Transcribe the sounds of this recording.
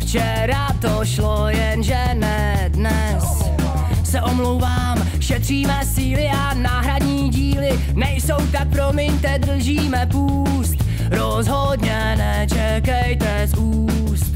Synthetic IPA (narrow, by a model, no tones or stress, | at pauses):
ft͡ʃɛ | ɾat̪oʃlojɛnʒɛ | nɛ | dnɛ | s | sɛʔomlowvaːm | ʃɛt̪r̝̥iːmɛsiːlɪʔanaːɦɾadɲiːɟiːlɪ | nɛjso̞wt̪ak̚pɾomɪɲt̪ɛd̪r̩ʒiːmɛpuː | st̪ | ɾozɦodɲɛ | nɛt͡ʃɛkɛjt̪ɛzuː | st̪